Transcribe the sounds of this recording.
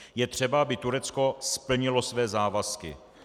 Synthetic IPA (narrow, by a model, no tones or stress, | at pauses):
jɛt̪r̝̥ɛbaabɪt̪uɾɛt͡skospl̩ɲɪlosvɛːzaːvaskɪ̰